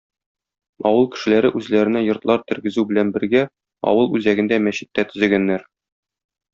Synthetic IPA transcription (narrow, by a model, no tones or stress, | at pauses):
ɒwɤlˠkɘ̥̆ʃɘ̆læɾɘʔʉzlæɾɘ̆næjŏɾt̪lˠɑɾt̪ɘ̆ɾɡɘ̆zʉbɘ̆lænbɘ̆ɾɡæ | ɒ̰wɤlˠʉzæɡɘ̆nd̪æmæɕɘ̆t̪ːæt̪ɵ̆zɘ̆lɡænːæɾ